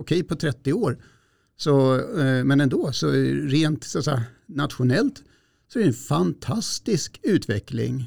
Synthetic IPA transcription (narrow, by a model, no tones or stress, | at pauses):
ɔkʰɛjpʰɔt̪ʰɾɛt̪ːɪoːɾ | sɔmɛnɛnd̪oːsɔɾeːnt̪sat̪sɛjanat̪ɧʊnɛlt̪ | sɔæɾɛnfant̪ʰast̪ɪskʉ̟ːt̪vɛklɪ̰ŋ